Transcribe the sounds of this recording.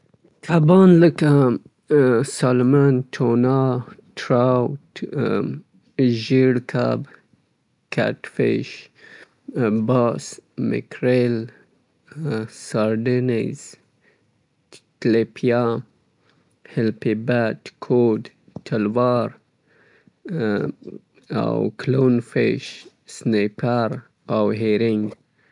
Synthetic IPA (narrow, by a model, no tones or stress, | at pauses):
t̪ʰabɑnləka | sɑlmant̪ʰonɑtʰɾawt | ʒiɽkʰa̰b | kʰa̰tfɪ̰ʃ | bɑsmɪ̰kʰɾel | saɾɖinez̥ | klepʰja | hɛlpibatkʰod̪ | t̪ʰalwɑɾ | a̰wkʰlonfɪ̰ʃ | snepʰaɾ | awɦeɾɪŋɡ